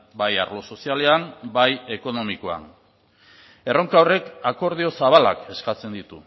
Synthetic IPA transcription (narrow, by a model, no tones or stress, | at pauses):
bajaɾlo̞so̞siale̞ambaje̞ko̞no̞mikoa̰n | e̞ro̞ŋkawre̞kako̞ɾð̞io̞saβ̞ala̰ke̞skat͡se̞nd̪it̪u